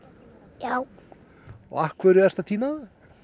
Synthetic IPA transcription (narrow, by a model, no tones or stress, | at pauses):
jaːw | ɔ̰ahkʰvɛɾʏɛr̥t̪at̪ʰiːnað